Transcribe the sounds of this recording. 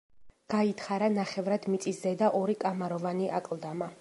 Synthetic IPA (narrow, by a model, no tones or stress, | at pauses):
ɡ̥ait̪ʰχaɾanaχɛvɾad̪mit̪sʼiszɛd̪aʔɔɾikʼamaɾɔvaniʔakʼlˠd̪ama